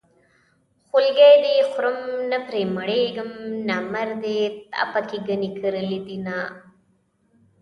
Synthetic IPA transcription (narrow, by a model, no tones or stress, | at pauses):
xulɡeːd̪exʊɾɐmnɐpɾemɐɽeːɡɐmnamɐɾd̪eːt̪ɐ̰pɐkiɡənikəɾlid̪inaː